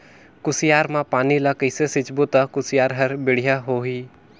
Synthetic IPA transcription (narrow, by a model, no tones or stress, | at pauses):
kʊsijaːɾmãpaːnilakəɪsesɪt͡ʃbot̪akʊsɪjaːɾɦəɾbeɽ̤ijaɦoɦi